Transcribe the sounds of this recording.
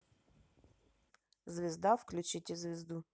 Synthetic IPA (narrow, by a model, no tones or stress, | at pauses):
zvʲɪzd̪afklʲʉt͡ɕitʲɪzʲvʲɪzd̪u